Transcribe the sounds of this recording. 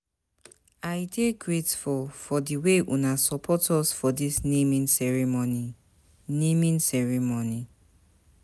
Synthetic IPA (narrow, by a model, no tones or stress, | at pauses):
ajdekɹetfɔfɔdiweʔunasɔpʰɔtɔsfɔdisnĩmĩnsɛɹimoni | nĩmĩnsɛɹimoni